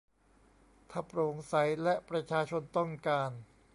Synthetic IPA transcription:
t̪ʰaː˧˩pɾoː˩˦ŋsa˩˦jlɛ˦˥ʔpɾa˧t͡ɕʰaː˧t͡ɕʰo˧nt̪ɔ˥˩ŋkaː˧n

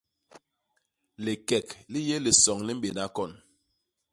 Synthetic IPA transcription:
li˨kɛ˨kli˦jɛ˦li˨sɔ˨ŋli˦m̩˦ɓe˨na˦kɔ˦˨n

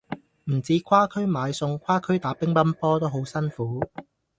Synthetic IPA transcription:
m̩˨˩t͡siː˨˥kʰwaː˥kʰɵ˥ɥmaː˨˧jsʊ˧ŋkʷʰaː˥kʰɵ˥ɥt̪aː˨˥pɪ˥ŋpɐ˥npɔː˥t̪o˥wɦo˨˥wsɐ˥nfuː˨˦˥

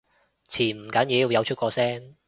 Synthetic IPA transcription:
t͡sʰiː˨˩m̩˨˩kɐ˨˥niː˨˥ju˨˧jɐ˨˧wt͡ʃʰɵ˥t̚kʷɔː˧sɛː˥ŋ

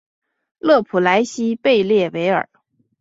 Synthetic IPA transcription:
lɤ˥˩pʰu˨˩la˧˥ɪɕi˥pe˥˧ɪljɛ˥˩we˧˥ɪə̰˞˨˩˦

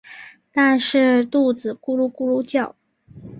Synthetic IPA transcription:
t̪a˥˧nʂɻ̩˥˧t̪u˥˩t͡sɹ̩˨˩ku˥˧lu˥˧ku˥˧lu˥˧t͡ɕjɑ˥˩ʊ

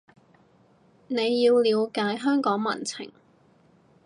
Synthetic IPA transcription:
ne˨˧jːiː˧wliː˨˧wkaː˨˥jɦœː˥ŋkɔː˨˥ŋmɐ̰˨˩nt͡sʰɪ̰˨˩ŋ

